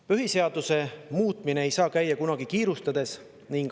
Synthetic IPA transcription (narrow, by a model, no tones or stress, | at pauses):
pyɦise̞ɑd̪̥use̞muːt̪mine̞ejsɑːkæjːɑkunɑɡ̥ikiːɾust̪ɑd̪̥e̞s | niŋɡ